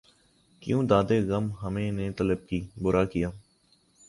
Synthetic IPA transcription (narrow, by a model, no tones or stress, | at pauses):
kjũːd̪aːd̪eːɣəmɦəmẽːneːt̪ələb̚kiːbʊɾʔaːkijaː